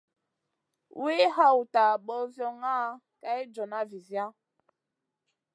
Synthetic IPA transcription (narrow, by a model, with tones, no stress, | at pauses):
wi˦ha˦wu˨ta˨ɓɔ˦zjɔ˦ŋa˦ | ka˦i˦d͡ʒɔ˨na˦vi˨zja˦